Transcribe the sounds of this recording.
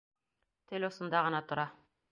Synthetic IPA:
t̪ɘlʲosɤ̆nd̪ɑʁɤ̆nɑt̪ŏɾɑ

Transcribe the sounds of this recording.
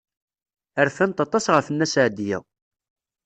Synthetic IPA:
æɾθænt̪ɑt̪ˤɑsʁəfənːæsʕd̪jæ̰

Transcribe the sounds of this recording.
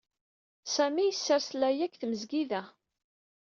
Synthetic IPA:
sæmijəsːəɾslæjækθməzɡiðæ

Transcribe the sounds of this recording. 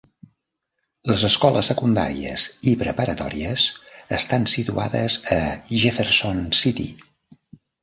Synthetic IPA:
ləzəskɔləsːəkund̪a̰ɾiəzipɾəpəɾət̪ɔ̰ɾiəzəst̪ansit̪ua̰ðəzəʒefeɾsonsit̪ḭ

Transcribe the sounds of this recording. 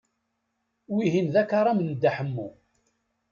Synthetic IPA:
wiɦinðækːɑɾˤamənd̪ːaħəmːu

